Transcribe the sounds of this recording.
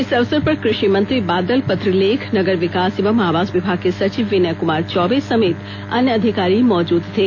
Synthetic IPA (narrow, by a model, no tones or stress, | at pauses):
ɪsɐʋsəɾpəɾkɾɪʃimə̃nt̪ɾibaːd̪əlpət̪ɾilekʰnəɡəɾʋɪkaːsɪʋəmaːʋaːsʋɪbʱaɡ̚kesɐt͡ʃiʋːɪnəkʊmaːɾt͡ʃɔʋesəmeːt̪ | ɐ̰njəəd̪ʱikaːɾimɔːd͡ʒuːd̪t̪ʰe